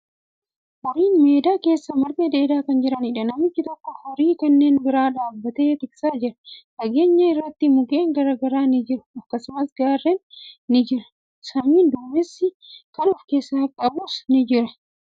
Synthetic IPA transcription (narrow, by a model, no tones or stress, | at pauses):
hɔɾiːnme̞ːd̪aːke̞ːsːɐmɐɾb̪eːd̪eːd̪aːkɐnd͡ʒɪɾɐnɪᶑɐnɐmɪt͡ʃːɪt̪ɔkːɔhɔɾiːkɐnːe̞ːnbɪɾaːᶑaːbːɐt̪eːt̪ɪksaːd͡ʒɪɾɐ̥ᶑɐɡe̞ːɲːɐɪrːɐt̪ːɪmʊɡe̞ːŋɡɐɾɐɡɐɾaːnɪd͡ʒɪɾʊ̥ɐkːɐsʊmɐsɡaːrːɛnːɪd͡ʒɪɾɐ̥ | sɐmiːnd̪uːmɛsːɪ | kɐnʊfke̞ːsːaːkʼɐbuːsnɪd͡ʒɪɾɐ